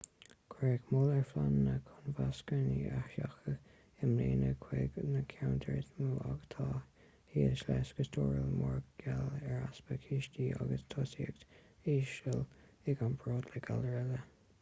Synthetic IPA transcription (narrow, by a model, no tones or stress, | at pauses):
kʰeɡmolɛɹflanːəkʰʊnvaskəniaaxə | ɪmleːnəkʰweɡnəkʰawnt̪ʰəɹt̪muːʔaɡt̪ʰɑː | hiːəʃlɛsɡəstʰoːɹəlmɔɹɡɡ̥alɛɹaspəkʰiːʃtiːʔa̰ɡəst̪ʰɔsiəɡt̪ | iːʃəl | ɪɡanbʰɹoːd̪lɛɡʰaləɹɛlə